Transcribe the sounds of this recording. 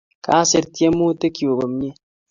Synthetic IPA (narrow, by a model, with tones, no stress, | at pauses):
ka˨˦se˨ɾtje˦mu˦te˦kjo˨bə˨m˦ɲi˦